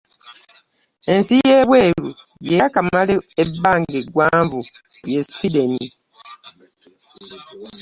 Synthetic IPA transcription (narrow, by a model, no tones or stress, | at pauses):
ensijeːβweːlu | jekamaleebːaːŋɡeɡwaːmbujesfideni